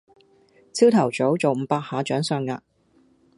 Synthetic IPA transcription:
t͡sʰiː˥wt̪ʰɐ˨˩wt͡so˨˥wt͡so˨wm̩ː˨˧˥paː˧k̚haː˨˧t͡ʃœː˨˥ŋsœː˧ŋːa̰ː˧

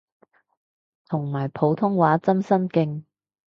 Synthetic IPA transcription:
t̪ʰʊ˨˩ŋmaː˨˩jpʰo˨˧wt̪ʰʊ˥ŋwaː˨˥t͡sɐ˥msɐ˥nkɪ˧ŋ

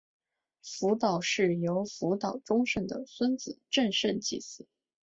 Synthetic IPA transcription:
fu˧˥t̪ɑ˨˩ʊʂɻ̩˥˩jo˧˥ʊfu˧˥t̪ɑ˨˩ʊʈ͡ʂʊ˥ŋʂə˥˩nd̪ə̰˩swə˥nt͡sɹ̩˨˩ʈ͡ʂə˥˧nʂə˥˧nt͡ɕḭ˥˩sɹ̩˥˩˦

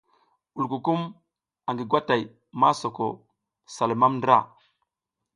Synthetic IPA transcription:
u˨lku˨ku˦m | a˨ŋɡi˨ɡwa˦ta˨j | ma˦so˨ko̰˨ | sa˨lma˦mndɾa˦˨

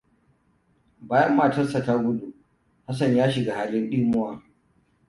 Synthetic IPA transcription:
baː˨jɐ˦mːaː˨tɐ˦sɐ˨taː˦ɡʷʊ˦du˨ | ha˦s̬ɐ˨ɲjaː˦ʃɪ˨ɡa˨haː˨lɪ˦nɗiː˦mʊ˦waː˨

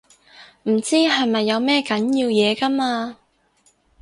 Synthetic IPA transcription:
m̩˨˩t͡siː˥ɦɐ˨jmɐ˨jːɐ˨˧wmɛː˥kɐ˨˥njiː˧wjɛː˨˧kɐ˥maː˧

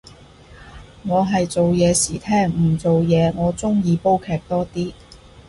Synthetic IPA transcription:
ŋɔː˨˧ɦɐ˨jt͡so˨wjɛː˨˧siː˨˩t̪ʰɛː˥ŋm̩˨˩t͡so˨wjɛː˨˧ŋɔː˨˧t͡sʊ˥ŋjiː˨˧po˥wkʰɛː˨˧k̚t̪ɔː˥t̪iː˥

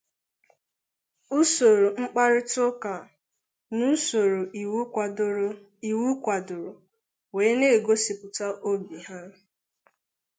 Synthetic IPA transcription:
u˦so˨ɾo˨ŋ͡m̩˦k͡pa˦ɾɪ˦tʊ˦ka˨ | nu˦so˨ɾo˨ʔi˨˦˨ | i˨wu˦kʷa˨dʊ˨ɾʊ˨ | weː˨˦ne˦˨ɡo˦si˨pʊ˨ta˦ʔo˦bi˨ɦa˦

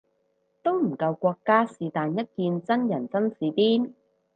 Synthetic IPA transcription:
t̪o˥wm̩˨˩kɐ˧wkʷɔː˧kːaː˥siː˨t̪aː˨njɐ˥t̚kiː˧nt͡sɐ˥njɐ˨˩nt͡sɐ˥nsiː˨˧piː˥n

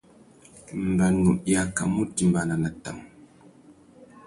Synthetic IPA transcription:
m̩˨ba˨nu˨ʔja˦ka̰˨mu˦ti˨m̩˨ba˨na˨na˨ta̰˨m

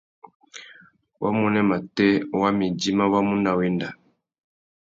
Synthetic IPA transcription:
wʔa̰˦mu˦nɛ˦ma˨tɛ˦wa˦mi˨di˦ma˦wa˦mu˦na˨wi˦nda˨

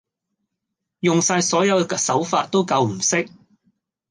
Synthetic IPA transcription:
jʊ˨ŋsaː˧jsɔː˨˥jɐ˨˧wksɐ˨˥wfaː˧t̚t̪ːo˥wkɐ˧wm̩˨˩sɪ˥k̚

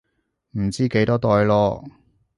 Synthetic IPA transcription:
m̩˨˩t͡siː˥ke˨˥jt̪ɔː˥t̪ɔː˧jlɔː˧

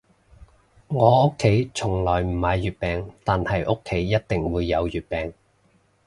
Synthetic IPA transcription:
ŋɔː˨˧ʔʊ˥kʰːe˨˥jt͡sʰʊ˨˩ŋlɔː˨˩jm̩˨˩mɐː˨˧jːyː˨t̚pɛː˨˩ŋt̪aː˨nhɐ˨jʔʊ˥kʰːe˨˥jːɐ˥t̚t̪ɪ˨ŋwuː˨˧jːɐ˨˧wjyː˨t̚pɛː˨˩ŋ

